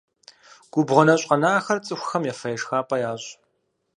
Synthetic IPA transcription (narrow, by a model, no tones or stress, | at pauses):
ɡ̥ʷʊbʁʊnɐɕʼqɐnaːxɐrt͡sʼɨxʷxɐmjafɐjɛʂxaːpʼɐjaːɕʼ